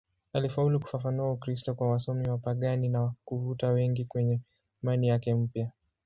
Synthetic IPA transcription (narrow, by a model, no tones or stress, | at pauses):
alifauluku̥fafanuaukɾistɔkwawasɔmiwapaɠaninakuvutawɛŋɡikwɛɲɛ | manijakɛm̩pja